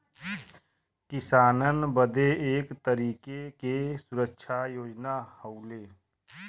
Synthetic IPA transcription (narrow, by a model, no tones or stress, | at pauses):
kɪsaːnənbəd̪eeːkt̪əɾiːkekesʊɾəkʃʰajoːd͡ʒnahəʊleː